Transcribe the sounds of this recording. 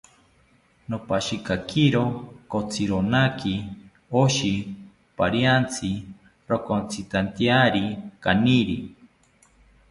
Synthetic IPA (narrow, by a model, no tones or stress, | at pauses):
nopaʃikakiɾokot͡sʰiɾonaki | oʃi | paɾjant͡sʰi | ɾokont͡sʰit̪ant̪jaɾikaniɾḭ